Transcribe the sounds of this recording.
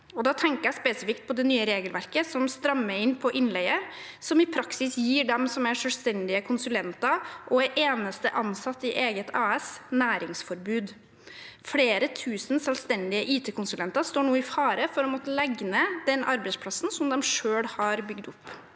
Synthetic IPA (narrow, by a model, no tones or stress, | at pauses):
ɔd̪ɑːt̪ʰɛŋkəɾjɛspeːsɪfɪkt̪̚pʰɔd̪ɛnyːəɾeːɡəlʋæɾkəsɔmst̪ɾɑmːəɾɪnpʰɔʔɪnlɛɪəsɔmɪpʰɾɑksɪsjiːɖɛmsɔmæʂœlst̪ɛnd̪ɪəkʰʊnsʉlɛnt̪ɑʔɔæʔeːnəst̪əʔɑnsɑt̪ːɪʔeːɡət̪ʰɑːɛsnæːɾɪŋsfɔɾbʉːd̪ | fɽeːɾət̪ʰʉːsən̩sɛlst̪ɛnd̪ɪəʔiːt̪ʰeːkʊnsʉlɛnt̪ɑst̪oːɳuːɪfɑːɾəfɔɾɔmɔt̪ːəlɛɡnəd̪ɛnʔɑɾbæɪspʰlɑsːn̩sɔmd̪ɛmʂøːɽhɑɾbʏɡd̪ʊpː